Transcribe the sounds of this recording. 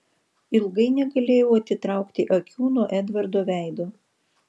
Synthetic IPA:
ɪlˠɡɐɪnʲɛɡɐlʲeːjɛʊɐt̪ʲɪt̪ɾɑˑʊkt̪ʲɪʔɐkʲuːnuɔʔɛd̪ʋɐɾd̪oːʋʲæˑɪd̪oː

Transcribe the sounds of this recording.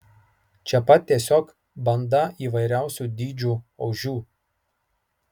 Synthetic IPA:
t͡ʃʲɛpɐt̪̚ʲt̪ʲiɛsʲoːk | bɐnd̪ɐiːʋɐɪɾʲæˑʊsʲuːd̪ʲiːd͡ʒʲuːɐʊʒʲuː

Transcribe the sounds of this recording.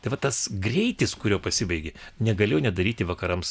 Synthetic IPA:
t̪ɐɪʋɐt̪ɐsɡrʲɛɪt̪ʲɪskʊɾʲoːpɐsʲɪbɐɪɡʲɪnʲɛɡɐlʲeːjʊnʲɛd̪ɐɾʲiːt̪ʲɪʋɐkɐɾɐms

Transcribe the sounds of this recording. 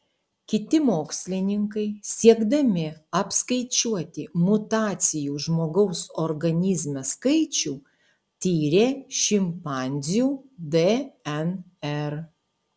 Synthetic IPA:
kʲɪt̪ʲɪmoːksʲlʲɪnʲɪŋkɐɪsʲiɛɡd̪ɐmʲɪɐpskɐɪt͡ʃʲuɔt̪ʲɪmʊt̪ɑːt̪sʲɪjuːʒmoːɡɐʊsoɾɡɐnʲɪzʲmʲɛskɐɪt͡ʃʲuː | t̪ʲiːɾʲeːʃʲɪmpɑːˑnʲzʲjuːd̪eɛn | ɛɾ

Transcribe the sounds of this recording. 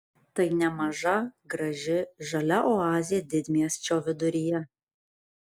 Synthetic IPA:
t̪ɐɪnʲɛmɐʒɐɡɾɐʒʲɪʒɐlʲɛʔɔɑːzʲɪjɛd̪ʲɪd̪ʲmʲijɛst͡ʃʲoːʋʲɪd̪ʊɾʲijɛ

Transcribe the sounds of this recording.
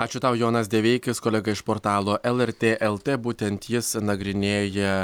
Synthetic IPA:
ɑːt͡ʃʲʊt̪ɐʊjoːnɐsd̪ʲɛʋʲɛɪkʲɪskoːlʲɛɡɐɪʃpoːɾt̪ɑːlˠoːʔɛlˠɛɾʲt̪ʲeːʔɛlˠt̪ʲeːbuːt̪ʲɛnt̪jɪsnɐɡɾʲɪnʲeːjɛ

